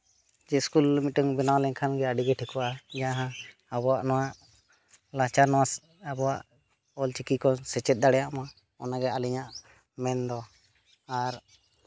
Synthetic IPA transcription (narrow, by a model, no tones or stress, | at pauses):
d͡ʒɛskulmiʈəŋbɛnawlɛɲkʰanɡɛaɖiɡɛʈʰikuajaɦã | abɔwaʔnɔwaʔ | lat͡ʃanɔwas | abɔwaʔ | ɔlt͡ʃikikɔsɛt͡ʃɛt̪̚d̪aɽɛjaʔma | ɔ̰naɡɛaliɲaʔ | mɛnd̪ɔ | aɾ